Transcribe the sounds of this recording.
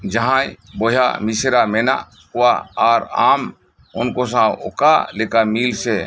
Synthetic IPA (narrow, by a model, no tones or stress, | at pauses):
d͡ʒəɦãjboɦja̰misɾamena̰ | kuaaɾa̰ːm | ʊnkos̬ão̰kalekamilse